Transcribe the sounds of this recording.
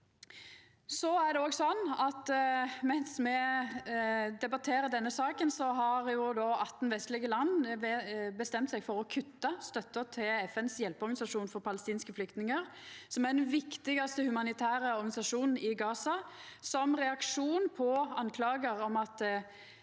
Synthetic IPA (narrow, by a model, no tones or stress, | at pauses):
sɔæd̪ɛɔːɡsɔnːɑt̪mɛnsmɛ | d̪ɛbɑt̪ʰeːɾəd̪ɛnːəsɑːkənsɔɦɑɾjʊd̪ɔɑt̪ːn̩ʋɛst̪lɪɡəlɑnːɛbəst̪ɛmt̪sɛɡfɔɾɔkʰʉt̪ːɑst̪œt̪ːət̪ʰɪlɛfɛnsjɛlpɔɾɡɑnɪsɑʂuːnfɔɾpɑləst̪iːnskəflʏkt̪nɪŋəʁ | sɔmæʁd̪ɛnʋɪkt̪ɪɡɑst̪əhʉmɑnɪt̪ʰæːɾəɔɾɡɑnɪsɑʂuːnn̩ɪɡɑːsɑ | sɔmʁɛɑkʂuːnpʰɔɑnkʰlɑːɡəɾɔmɑt̪